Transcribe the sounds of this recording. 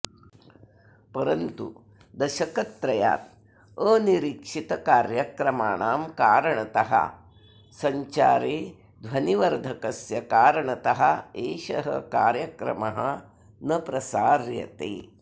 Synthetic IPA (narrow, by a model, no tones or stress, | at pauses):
pɐɾɐnt̪ṵ | d̪ɐʃɐkɐt̪ɾɐja̰ːt̪̚ | əːniɾikʂit̪ɐkaːɾjɐkɾɐmaːɳaːmkaːɾɐɳɐt̪ɐɦɐ̰ | sɐɲt͡ʃaːɾeː | d̪ʱʋɐniʋɐɾd̪ʱɐkɐsjɐkaːɾɐɳɐt̪ɐɦɐeːʃɐ̰ɦɐ̰kaːɾjɐkɾɐ̰mɐɦɐ̰ | nɐpɾɐsaːɾjɐ̰t̪ḛː